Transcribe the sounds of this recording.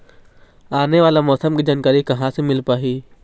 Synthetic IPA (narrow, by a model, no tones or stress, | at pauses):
aːneʋaːlamɔːsəmkid͡ʒaːnkaːɾikɐɦãsemɪlpaːɦiː